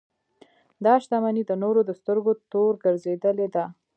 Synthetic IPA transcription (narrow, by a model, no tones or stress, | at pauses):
d̪ɑʃt̪amanid̪ənoɾod̪əst̪əɾɡot̪oɾɡəɾzed̪əled̪a